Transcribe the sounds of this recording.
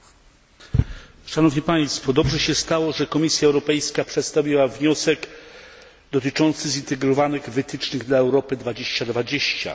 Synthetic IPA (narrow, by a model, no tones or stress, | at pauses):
ʂanɔvɲipaj̃st̪fɔd̪ɔbʐɛɕɛst̪awɔʐɛkɔmʲisʲjaɛwɾɔpɛjskapʂɛt̪st̪avʲiwavɲɔsɛɡ | d̪ɔt̪ɘt͡ʂɔnt̪sɘzint̪ɛɡɾɔvanɘɣvɘt̪ɘt͡ʂnɘɣd̪laɛwɾɔpɘd̪vad͡ʑeɕt͡ɕad̪vad͡ʑeɕt͡ɕa̰